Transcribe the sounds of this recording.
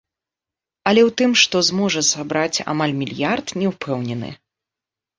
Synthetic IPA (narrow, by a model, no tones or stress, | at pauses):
ɐlʲɛwt̪ɨmʂt̪ɔzmɔʐɐsabɾat͡sʲa̰malʲmʲilʲjart̪nʲɛwpʰɛwnʲɛnɨ̰